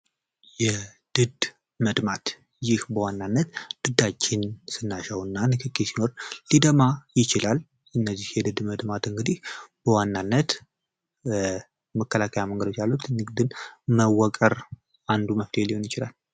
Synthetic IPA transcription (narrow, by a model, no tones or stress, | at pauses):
jɛ | d̪̥ɨd̪ | məd̪mat̪ | jɪhbəwanːanːət̪d̪̥ɨd̪at͡ʃːɪnsɨnːaʃəwɨnːanɨkʰɨkʰʼːisino̞ɾlid̪əmajɪt͡ʃɪlal | ɨnːəzːihjɛd̪ɨd̪məd̪mat̪ɨŋɡɨd̪ihb̥əwanːanːət̪ | məkʰːəlakʰəjaməŋɡəd̪o̞t͡ʃːjalːut̪nɨɡd̪ɨnməwːɔkʼəɾ | and̪uməft̪ʰeliho̞njɪt͡ʃɪla̰l